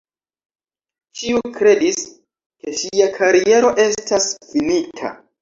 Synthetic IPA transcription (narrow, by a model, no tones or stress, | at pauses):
t͡ʃiukɾe̞dis | ke̞ʃiakʰaɾie̞ɾo̞ʔe̞stasfinitʰa̰